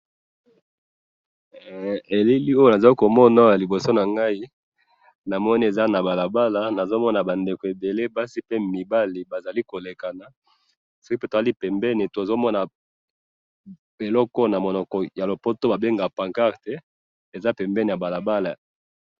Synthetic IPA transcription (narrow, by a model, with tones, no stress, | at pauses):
e˨li˦li˦o˦jo˦na˨za˨li˦ko˨mɔ˦na˨˦ja˨li˨bo˨so˦na˨ŋɡa˦i˦ | na˨mɔ˦ni˦e˨za˦na˨ba˨la˨ba˦la˨na˨zo˦mɔ˦na˨ba˨nde˨ko˨e˨be˨le˦ba˦si˦pe˦mi˨ba˦li˨ba˨za˨li˦ko˨le˨ka˨na˨ | so˦ki˦pe˦to˨˦li˦pɛ˨mbɛ˦ne˨ta˨zo˦mɔ˦na˨ | e˨lɔ˦kɔ˦na˨mo˨nɔ˨kɔ˨ja˨lo˨po˦to˦ba˨be˦ŋɡa˨pa˨ŋka˦ʁtɛ˦ | e˨za˦pɛ˨mbɛ˦ne˨ja˨ba˨la˨ba˦la˨